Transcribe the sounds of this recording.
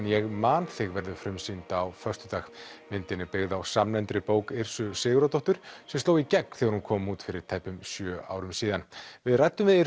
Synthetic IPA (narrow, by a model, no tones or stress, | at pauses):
njɛɣmaːnθɪɣvɛɾðʏfɾʏmsint̪aːwfœrst̪ʏt̪aːɣmɪnt̪ɪnːɪpɪɣðawsamnɛnt̪ɾɪpoːwkɪr̥sʏsɪːɣɾat̪ɔht̪ʏɾ̥sɛmst̪oːwicɛkθɛɣaɾhunkʰɔːmuːt̪fɪɾɪɾ̥t̪ʰajpʏmsjœːa̰ːwɾʏmsiːðanvɪðrajt̪ːʏmvɪðɪ